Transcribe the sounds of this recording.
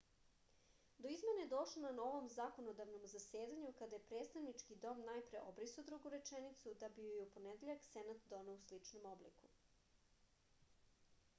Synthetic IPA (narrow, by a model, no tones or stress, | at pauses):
d̪o̞izme̞naed̪o̞ʃlˠonano̞ʋo̞mzakonod̪aʋnomzase̞ːd̪aɲukad̪ajepɾet̪st̪aʋnit͡ʃkid̪o̞mnajpɾe̞ʔobɾisod̪ɾoɡuɾe̞t͡ʃenit̪sud̪abijupo̞ned̪eʎaksenat̪d̪o̞neuslit͡ʂnomo̞blḭku̥